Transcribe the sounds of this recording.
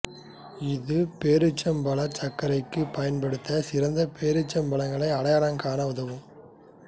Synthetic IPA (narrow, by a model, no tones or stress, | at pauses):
ɪðɯpeːɾɯt͡ʃːɐmbɐɭɐt͡ʃɐkːɐɾɐɪkːɯpɐjɐnpɐɽɯt̪ːɐsɪɾɐnd̪ɐpʰeːɾɯt͡ʃːɐmbɐɭɐŋɡɐɭɐɪɐɽɐjɐɾɐŋkaːnɐʊðɐʋɯm